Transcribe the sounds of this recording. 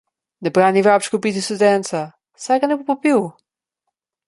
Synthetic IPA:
nɛbɾanivɾapʃkopit̪ist̪ud̪ɛnt̪sa | saknɛpopopiw

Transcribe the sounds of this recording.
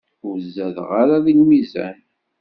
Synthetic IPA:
ʊɾzːæðʁaɾaðinmizæ̰n

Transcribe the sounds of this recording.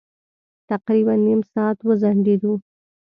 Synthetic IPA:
t̪aqɾibanːimsɑːt̪wəzaɳɖed̪u

